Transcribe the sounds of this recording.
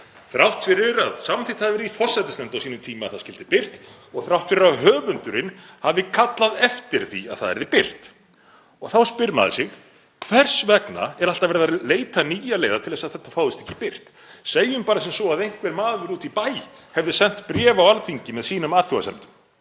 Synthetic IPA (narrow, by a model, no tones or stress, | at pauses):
θɾawht̪fɪɾɪɾa̰ðsamθit̪haðvɪɾɪðifɔr̥sːɛt̪ɪst̪ɛmt̪awsiːnʏmt̪ʰiːmaa̰ðθaðscɪlt̪ɪpɪr̥t̪ | ɔɣθɾawht̪fɪɾɪɾaðɦœːvʏnt̪ʏɾɪn | havɪkʰat̪laðɛft̪ɪɾ̥θḭa̰ðθa̰ðɛ̰ɾðɪpɪr̥t̪ | ɔ̰ɣθawspɪɾma̰ðɪ̰sɪx | kʰv̥ɛr̥svɛkna̰ɛɾal̥t̪avɛɾɪðaleːjt̪aniːjaleːjðat̪ʰɪðɛsaðθɛht̪ːafaːwðɪst̪ɛ̥hcːɪ̥pɪr̥t̪ | seːjʏmpaːɾasɛmsɔaðejŋ̥kvɛɾmaːðvʏɾuːt̪ipaːj | hɛvðɪsɛn̥t̪pɾjɛːvawalfiɲcɪmɛðsiːnʏmaːt̪ʰuɣa̰st̪ɛmt̪ʏ̥m